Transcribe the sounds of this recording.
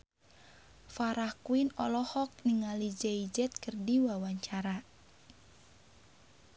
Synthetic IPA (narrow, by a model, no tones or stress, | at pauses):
faɾahkuinɔ̰lɔhɔk̚niŋalid͡ʒɛid͡ʒɛt̪̚kərdiwawaɲt͡ʃaɾa